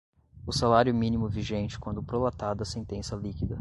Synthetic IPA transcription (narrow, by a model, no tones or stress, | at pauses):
ʊsalaɾjʊmĩnimʊviʒẽnt͡ʃɪ̥kwɐ̃nd̪ʊpɾolat̪ad̪ʊɐsẽnt̪ẽsɐlikid̪ɐ